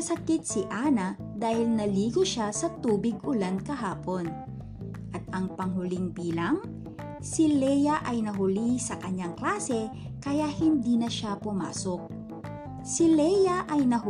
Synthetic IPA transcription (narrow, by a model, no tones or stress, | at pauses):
ɐsɐkɪt̪̚sɪʔanɐ | d̪aːhɪlnɐliːɡoʃasɐt̪uːbɪɡ̚ʔʊlankɐɦaːpo̞n | ʔɐt̪̚ʔɐŋpɐŋɦʊliŋbiːlaŋ | sɪlɛjɐʔɐjnɐɦʊlisɐkɐɲːaŋklaːsɛ | kɐjaʔhɪnd̪iːnɐʃapʊma̰ːsok̚ | sɪlɛjɐʔɐjnɐ